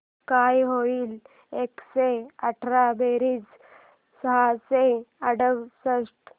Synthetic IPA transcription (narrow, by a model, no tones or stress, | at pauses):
kajɦoiːl | ekseəʈʰɾabeɾiːd͡z | səɦaseəɽəʋsəsʈ